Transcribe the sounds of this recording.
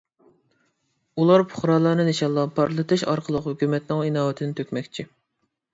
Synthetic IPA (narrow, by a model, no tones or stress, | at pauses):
ulˠɑɾpʰʊ̥χɾɑːlˠɑːnɨnɪʃɑlˠːɑpʰɑɾlˠɨt̪ʰɨʃɑ̰ɾqʰəlˠəqhykʲyːmɛt̪nɪŋinɑːwɛt̪ʰɪnɪt̪ʰøkʲmɛkʲt͡ʃʰi